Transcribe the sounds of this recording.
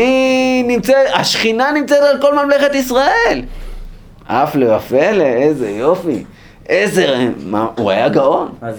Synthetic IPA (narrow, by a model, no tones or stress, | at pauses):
inimt͡seaʃχinanimt͡set̪alko̞lmamleχet̪isʁael | ʔaflevafeleezejo̞fḭ | ʔezemaṵa̰jaɡao̞n